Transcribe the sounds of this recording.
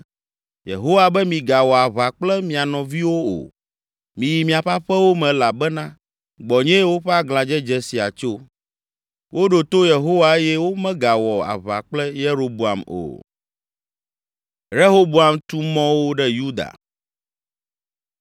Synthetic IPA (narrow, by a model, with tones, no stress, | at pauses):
jḛ˨ɦo˦wa˦bɛ˦mĩ˨ɡa˨wɔ˨a˨βa˨k͡plɛ˦mĩ˨a˨nɔ̃˨vi˦wo˦o̰˨ | mĩ˨ji˨mĩ˨a˨ɸa˦ɸɛ˦wo˦mɛ̃˨la˨bɛ˦nã˦ | ɡ͡bɔ˨ɲɛ̃˦wo˦ɸɛ˦a˦ɡlã˨d͡ʒɛ˦d͡ʒɛ˦si˨a̰˨t͡ʃo˦ | wo˦ɖo˨t̪o˦je˨ɦo˦wa˨e˦jɛ˦wo˦mɛ̃˦ɡa˨wɔ˨a̰˨βa̰˨k͡plɛ˦je˦ɾo˨bu˨a˨mo̰˨ | ɾe˦ɦo˦bo˦a˨mt̪u˦mɔ̃˦wo˦ɖɛ˦ju˦d̪a̰˨